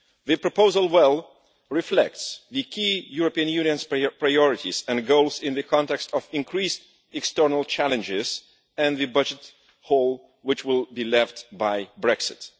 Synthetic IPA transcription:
ðɨpɹɔpoʊzəlˠwɛlˠ | ɹɨflɛ̰k̚tsðɨkʰijuɹɔpiɨ̃njʉ̃niɨ̃nz̥pɹaɪɔɹɨtizɛ̃nɡoʊlˠzɪ̃nðɨkʰɑ̃ntɛkstɔvɪ̃nkʰɹist | ɨkstɜ˞nəlˠt͡ʃælˠɨ̃nd͡ʒɪz | ɨ̃nðɨbʌd͡ʒɨt | hoʊlˠ | wɨt͡ʃwɪlˠbilɛftbaɪbɹɛksɪt

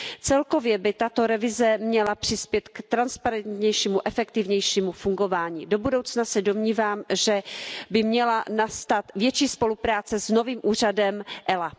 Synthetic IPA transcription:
t͡sɛlko̞vjɛbɪt̪at̪o̞ɾɛvɪzɛmɲɛlapr̝̥ɪspjɛt̪kt̪ɾanspaɾɛnt̪ɲɛjʃiːmuʔɛfɛkt̪ɪvɲɛjʃiːmufuŋɡo̞vaːɲḭːdo̞budo̞wt͡snasɛdo̞mɲiːvaːmʒɛbɪmɲɛlanast̪at̪vjɛt͡ʃiːspo̞lupɾaːt͡sɛzno̞viːmʔuːr̝adɛmʔɛla

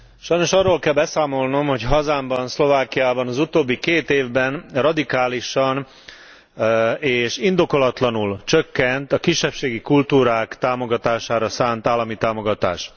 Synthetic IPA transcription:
ʃɒjno̞ʃɒrːoːlkɛlbɛsaːmo̞lno̞mho̞cɦɒzaːmbɒnslo̞vaːkijaːbɒnɒzut̪oːbːikeːt̪eːvbɛnrɒd̪ikaːliʃɒn | eːʃind̪o̞ko̞lɒt̪lɒnult͡ʃøkːɛnt̪ɒkiʃːɛpʃeːɡikult̪uːɾaːkt̪aːmo̞ɡɒt̪aːʃaːɾɒsaːnt̪aːlːɒmit̪aːmo̞ɡɒt̪a̰ːʃ

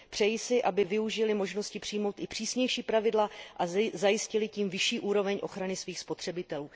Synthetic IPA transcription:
pr̝̥ɛjisɪʔabɪvɪuʒɪlɪmo̞ʒno̞scɪpr̝̥ɪjmo̞wt̪ɪpr̝̥iːsɲɛjʃiːpɾavɪdlaʔazajɪscɪlɪciːmvɪʃiːʔuːɾo̞vɛɲʔo̞̰xɾanɪsviːxspo̞t̪r̥ɛbɪt̪ɛluː

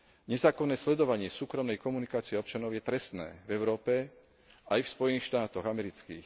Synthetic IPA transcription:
ɲɛzaːkɔnːɛːslɛd̪ɔʋaɲɪɛsuːkɾɔmnɛjkɔmunikaːt͡siɛɔpt͡ʃanɔʊjɛt̪ɾɛst̪nɛ̰ːvɛʊɾɔːpɛ | ajfspɔjɛniːxʃt̪aːt̪ɔɣamɛɾit͡skḭːx

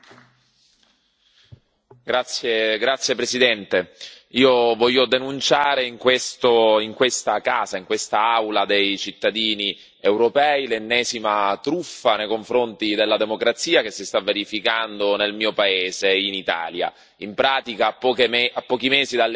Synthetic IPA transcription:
ɡɾat̪sːjeɡɾat̪sːjepɾesid̪ɛnt̪e | iːovɔʎːod̪enunt͡ʃaːɾeiŋkwest̪oiŋkwest̪akaːzaiŋkwest̪aawlad̪ejt͡ʃit̪ːad̪iːni | ewɾopɛːilenːɛːzimat̪ɾufːanejkoɱfɾont̪id̪elːad̪emokɾat̪siːak̟esːist̪avːeɾifikand̪onelmiːopaeːzeinit̪a̰ːlja̰ | impɾaːt̪ikaːpːɔkapːɔːk̟imeːzid̪al

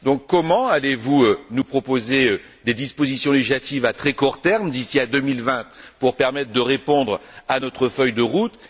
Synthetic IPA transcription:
d̪ɔ̃kːɔmɑ̃alevuønupχɔpozeø | d̪ed̪ispozisjɔ̃leʒat̪ivat̪χɛkuʁt̪ɛʁmd̪isiad̪ømilvɛ̃t̪puʁpɛʁmɛt̪χd̪əʁepɔ̃d̪ʁanɔt̪χəfœjd̪əʁut̪

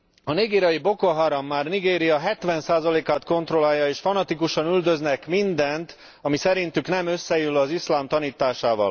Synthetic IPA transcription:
ɒniɡeːɾijɒjibo̞koɦaɾɒmːaːrniɡeːɾijɒɦɛt̪ʋɛnsaːzɒleːkaːt̪ko̞nt̪ro̞laːjːɒeːʃfɒnɒt̪ikuʃɒnyld̪ø̞znɛkmind̪ɛnt̪ | ɒmisɛɾint̪yknɛmø̞sːɛjylɒzislaːmt̪ɒniːt̪aːʃaːvɒ̰l

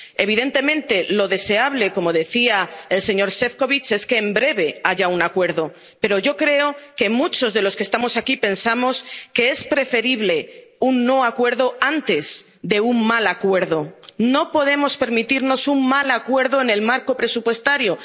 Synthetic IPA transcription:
e̞β̞iðent̪e̞mẽ̞nt̪e̞lo̞ðe̞se̞aβ̞le̞ko̞mo̞ðe̞θiae̞lseɲo̞ɾse̞fko̞βit͡ʃe̞ske̞ːmbɾe̞β̞e̞aʝaunakwe̞ɾðo̞ | pe̞ɾo̞ʝo̞kɾe̞o̞kemut͡ʃo̞zðe̞lo̞skest̪amo̞sakipe̞nsamo̞ske̞e̞spɾe̞fe̞ɾiβle̞unːo̞akwe̞ɾðo̞ant̪e̞s | ðe̞uŋmalakwe̞ɾðo̞no̞po̞ð̞e̞mo̞spe̞ɾmit̪iɾno̞suŋmalakwe̞ɾðo̞ene̞lmaɾko̞pɾe̞supwe̞st̪aɾjo̞

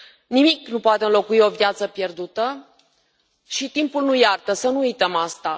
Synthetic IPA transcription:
nimiknupoat̪eɨnlo̞kuio̞vjat̪səpje̞rd̪ut̪ə | ʃit̪impulnujart̪əsənuujt̪əmast̪a

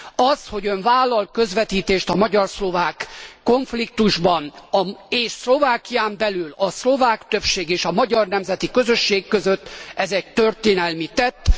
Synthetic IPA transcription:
ɒsho̞ɟøɱvaːlːɒlkø̞zʋɛt̪iːt̪eːʃt̪ɒmɒɟɒrslo̞vaːkːo̞ɱflik̚t̪uʒbɒnɒeːʃslo̞vaːkijaːmbɛlylɒslo̞vaːkt̪ø̞pʃeːɡeːʃɒmɒɟɒrnɛmzɛt̪ikø̞zø̞ʃːeːkːøzøt̪ːɛzɛc̚t̪ørt̪eːnɛlmit̪ɛt̪ː

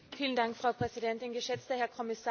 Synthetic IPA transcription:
fiːlən̩daŋkfʁ̥aʊpʁ̥ɛzidɛntɪnɡəʃɛt͡stɐhɛɐkʰɔmɪsaː

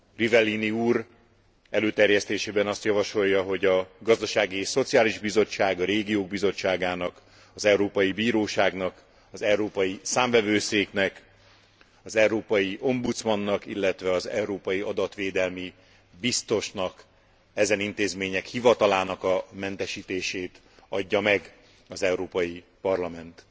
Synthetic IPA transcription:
rivɛlːiniuːɾ | ɛløːt̪ɛrjɛst̪eːʃeːbɛnɒst̪jɒvɒʃo̞jːɒɦo̞ɟɒɡɒzd̪ɒʃaːɡieːʃso̞t̪sijaːliʒbizo̞t͡ʃːaːɡɒɾeːɡijoːɡ̚bizo̞t͡ʃːaːɡaːnɒk | ɒzɛwɾoːpɒjibiːɾoːʃaːɡnɒk | ɒzɛuɾoːpɒjisaːɱvɛvøːseːknɛk | ɒzɛwɾoːpɒjiʔo̞mbut̪smɒnːɒkilːɛt̪ʋɛɒzɛ̰uɾoːpɒjiʔɒd̪ɒt̪ʋeːd̪ɛlmi | bist̪o̞ʃnɒk | ɛzɛnint̪eːzmeːɲɛkhivɒt̪ɒlaːnɒkɒmɛnt̪ɛʃiːt̪eːʃeːt̪ | ɒɟːɒmɛɡ | ɒzɛwɾoːpɒji | pɒrlɒmɛnt̪

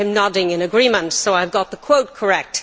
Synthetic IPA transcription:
ɨ̃mnɑdɪ̃ŋɨ̃nɨɡɹĩmə̃ntsoʊaɪvɡɑt̪̚ðəkʰw̥oʊt̚kʰə˞ɛk̚t

